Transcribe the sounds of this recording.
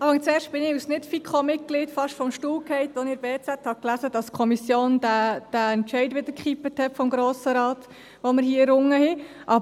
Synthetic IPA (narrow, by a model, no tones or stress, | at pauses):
ɑːfɑŋst͡sɛːɾʃt̚b̥ɪnɪusnɪtfikχomɪt̚ɡ̥lɪtfɑʃtfɔmʃtuːlkhɛɪtɔnɪbeːt͡sæt̪hɑklæzədɑskʰɔmisjoːndæd̥æɛntt͡ʃɛɪdʋɪd̪əɾkχipəthɛtfɔmɡɾoːsəɾɑːt̪ | ʋoməɾɦiːɾʊŋːəhɪʔɑ